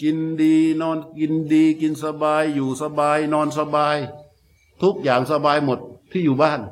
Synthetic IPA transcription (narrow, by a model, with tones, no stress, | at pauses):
ki˧ndiː˧nɔː˧nki˧ndiː˧ki˧nsa˧baː˧jːuː˨˩sa˧baː˧jnɔː˧nsa˧baː˧j | t̪ʰu˦˥k̚jaː˨˩ŋsa˧baː˧jmo˨˩t̪̚ʰːiː˥˩juː˨˩baː˥˩n